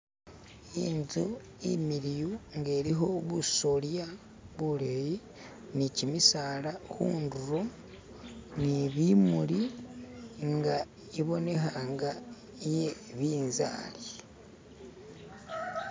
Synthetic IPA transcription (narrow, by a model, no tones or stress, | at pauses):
inzu | imiɾijuŋɡe̞ːɾiɦo̞βuso̞lja | βuleji | nicimisaːlahṵːnduɾo̞ | niβimuli | ŋɡa | iβo̞ne̞xaːŋɡa | jeβiːnza̰ːli